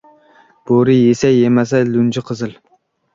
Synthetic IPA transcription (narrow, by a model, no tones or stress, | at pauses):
b̥oɾɨjesɛjemɛs̬ɛlund͡ʒɪqʰəzɨl